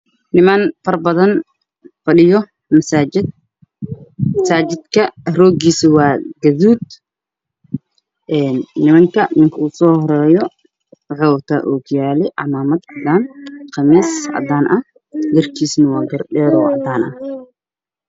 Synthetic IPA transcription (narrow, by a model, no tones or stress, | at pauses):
nɪmɐnfɐrbɐðɐn | fɐɗɪjɔ | mɐsaɪd̪ | mɐsaːt͡ʃɪd̪kʰɐrɔːɡiːsɐwɑːɡɐðuːd̪̚ | ʔɛːnːɪmɐŋkʰɐmɪŋkʰɐuːsɔːhɔɾɛːjɔ | ʕɔːwt̪ʰa̰ʔuːkʰʊjaːlɛʔɑ̰maːmɐd̪ʕɑd̪aːnqʰɑmiːsʕɑ̰d̪aːnʔɐh | ɡɐrkʰiːsnɐwɑːɡɐɾɗɛːɾɔʕɑ̰d̪aːnʔɐ̰h